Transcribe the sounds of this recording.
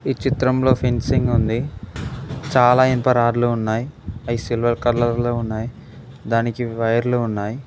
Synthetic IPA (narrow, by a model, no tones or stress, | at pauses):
iːt͡ʃit̪ɾɐmlo̞ːpʰensiŋɡund̪i | t͡ʃaːlaːenpɐɾaːɾluːnːaːjiɐjsilʋɐɾkɐɾlɐɾloːunːaːji | d̪aːnikiʋɐjɐɾluːnːaːji